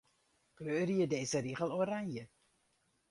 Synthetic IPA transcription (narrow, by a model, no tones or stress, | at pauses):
kløːɾiədɛːzəɾiːχəlˠoɾaŋjə